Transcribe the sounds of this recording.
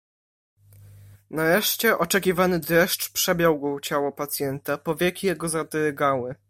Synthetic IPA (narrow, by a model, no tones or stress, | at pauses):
naɾɛʂt͡ɕɛʔɔt͡ʂɛkʲivanɘd̪ɛʂt͡ʂpʂɛbʲjawɡɔt͡ɕawɔpat̪sʲjɛnt̪apɔvʲjɛkʲijɛɡɔzad̪ɛɾɛɡawɘ